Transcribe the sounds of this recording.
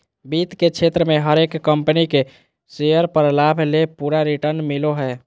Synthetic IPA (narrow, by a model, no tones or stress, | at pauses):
bit̪kekt͡ʃʰet̪ɾəmeɦəɾekːəmpənike | sejəɾpəɾlabʱlepuɾaɾiʈəɾnmiloɦɛ